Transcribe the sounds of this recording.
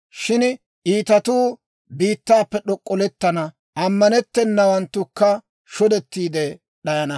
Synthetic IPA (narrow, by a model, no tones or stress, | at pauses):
ʃɪn | ʔiːt̪ɐt̪uː | biːt̪ːaːpːɛɗɔkʼːɔlɛt̪ːɐnɐ | ʔɐmːɐnɛt̪ːɛnːɐwɐnt̪ːʊkːɐ | ʃɔd̪ɛt̪ːiːd̪ɛ | ɗɐjɐnɐ